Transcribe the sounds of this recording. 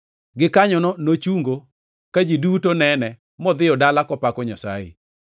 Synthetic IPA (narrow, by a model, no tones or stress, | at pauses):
ɡɪkaɲɔnɔnot͡ʃuŋɡo | kad͡ʒidutonɛnɛ | mɔd̪ɪɔdalakɔpakɔɲasa̰jɪ̰